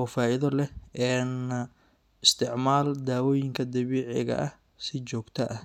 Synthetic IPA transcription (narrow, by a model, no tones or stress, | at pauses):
ɔːfaːɪðɔlɛɛːn | ɪst̪ʰɪʕmaːld̪aːwɔːjɪŋkʰɐd̪ɐβiːʕɛɣɐ̰ʔɐh | sɪt͡ʃɔːɡt̪ʰɐʔɐ